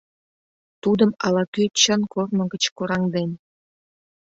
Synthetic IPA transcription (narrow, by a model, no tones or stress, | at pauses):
t̪ud̪ə̆mɑlɑkʲyt͡ɕənkornə̆ɡə̆t͡ɕkuɾɑŋd̪enʲ